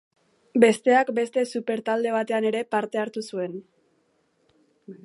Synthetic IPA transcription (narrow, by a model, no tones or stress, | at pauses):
be̞st̪e̞akbe̞st̪e̞supe̞ɾt̪ald̪e̞β̞at̪e̞ane̞ɾe̞paɾt̪e̞aɾt̪usue̞n